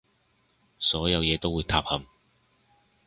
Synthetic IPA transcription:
sɔː˨˥jɐ˨˧wjɛː˨˧t̪o˥wuː˨˧jt̪ʰaː˧p̚hɐ˨˧m

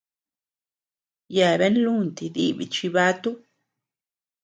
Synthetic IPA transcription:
ja˨βe˦nlu˦˨nt̪i˨d̪i˦bḭ˨t͡ʃi˧βa˦t̪u˦

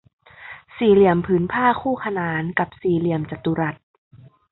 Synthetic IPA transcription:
siː˨˩li˧˩əmpʰɯː˩˦npʰaː˥˩kʰuː˥˩kʰa˧naː˨˩˦nka˨˩p̚siː˨˩˦li˧əmt͡ɕa˨˩t̪ːu˧ɾa˨˩t̪̚

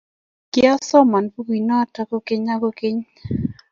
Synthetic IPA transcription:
kɪ˦ɔ˦sɔ˦ma˨npu˦ɡi˨nɔ˦ta˦ko˦ke˦ɲa˦ɡo˦ke˦ɲ

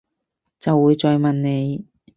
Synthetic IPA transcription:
t͡sɐ˨wːuː˨˧jt͡sɔː˧jmɐ˨nne˨˧j

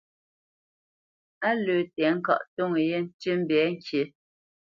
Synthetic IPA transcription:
a˦lø˨tɛ˨˦ŋ̩˦ka̰˦˨ʔto˦˨ŋe˨je˦n̩˦ti˦m̩˦bɛ˨˦ŋ̩˦kje˨˦

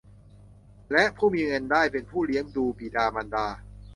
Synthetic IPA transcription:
lɛ˦˥ʔpʰuː˥˩miː˧ŋɤ˧ndaː˥˩jpe˧npʰuː˥˩li˦əŋduː˧pi˨˩daː˧ma˧ndaː˧

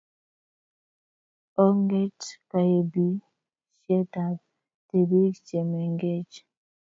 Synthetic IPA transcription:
o˦ŋɡe˦t͡ʃka˨e˨bi˦ | ʃɛ˦ta˨b̚ | te˨bi˦t͡ʃɛ˨mɛ˨ŋɡe˦t͡ʃ

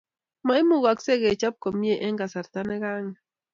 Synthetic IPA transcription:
ma˨i˦mu˦˨ɣa˨kse˦ɣe˨t͡ʃa˦p̚ko˨mi˦e˦˨ʔɛ˦ŋɡa˨sa˨ɾt̪a˦nɛ˦ɣa˦ŋa˨

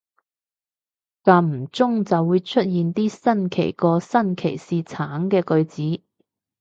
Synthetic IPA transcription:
ka˨˧m̩˨˩t͡sʊ˥ŋt͡sɐ˨wːuː˨˧jt͡ʃʰɵ˥t̚jiː˨nt̪iː˥sɐ˥nkʰe˨˩jkɔː˧sɐ˥nkʰe˨˩jsiː˨t͡sʰaː˨˥ŋkɛː˧kɵ˧ɥt͡siː˨˥

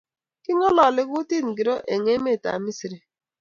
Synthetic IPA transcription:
kɪ˦ŋɔ˦lɔ˨lɪ˦ɣʊ˦ti˦˨n̩˨ɡi˨ɾo˦ʔe˨ŋe˦me˦˨ta̰˨mi˦si˨ɾi˨

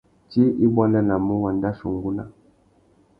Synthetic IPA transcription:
t͡ʃi˦ʔi˦bwa˦lɛ˦la˨mu˦wa˨nda˦ʃu˨ŋɡu˦na̰˦

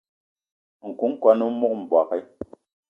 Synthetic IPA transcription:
ŋ̩˨ku˨˦ŋ̩˦kwa˦nu˦mu˦k̚m̩˨bwa˨kɛ˦

